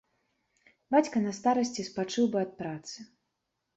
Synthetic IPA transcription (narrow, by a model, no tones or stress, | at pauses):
bat͡sʲkɐnɐst̪aɾɐsʲt͡sʲispat͡ʂɨwbɨɐt̪̚pɾat̪sɨ